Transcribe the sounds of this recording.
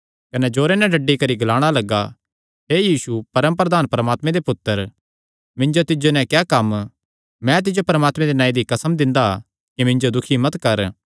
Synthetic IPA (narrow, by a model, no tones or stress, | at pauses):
kɐnɛd͡ʒoːɾenɛ̃ɖɐɖːikɐɾiɡɐlaːɽ̃alɐɡa | ɦeːjiːsupɐɾəmpɾɐd̪aːnpɐɾɐmaːt̪mẽd̪epʊt̪ːəɾ | mɪ̃ɲd͡ʒot̪ɪd͡ʒonɛ̃kjɛːkɐm | mɛ̃t̪̬ɪd͡ʒopɐɾɐmaːt̪mɛ̃d̪enãːĩd̪ikɐsəmd̪ɪ̃nd̪a̰ | kimɪ̃ɲd͡ʒod̪ʊkʰimɐt̪kɐɾ